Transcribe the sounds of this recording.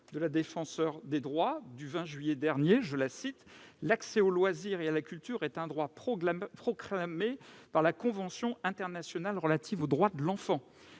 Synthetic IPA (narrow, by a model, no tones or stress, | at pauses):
d̪əlad̪efɑ̃sœʁd̪ed̪ʁwad̪yvɛ̃ʒɥijɛd̪ɛʁnjeʒəlasit̪laksɛolwaziʁealakʲylt̪yʁɛt̪ɛ̃d̪ʁwapχɔpχɔklamepaʁlakɔ̃vɑ̃sjɔ̃ɛ̃t̪ɛʁnasjɔnalʁəlat̪ʰivod̪ʁwad̪əlɑ̃fɑ̃